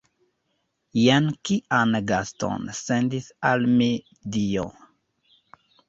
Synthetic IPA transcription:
jankiʔanɡasto̰nsendisalme | dio

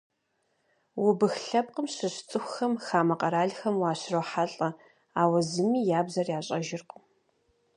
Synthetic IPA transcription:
wʊbɨxɬɐp̚qʼəmɕɨɕt͡sʼɨxʷxɐmxaːmɐqʼɐɾaːɮxɐmwaːɕrowħaɬʼɐ | aːwɐzɨmiːjaːbzɐrjaːɕʼɐʒɪrq

